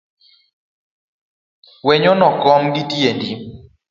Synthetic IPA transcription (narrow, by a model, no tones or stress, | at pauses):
wɛɲɔnɔkɔŋditiendi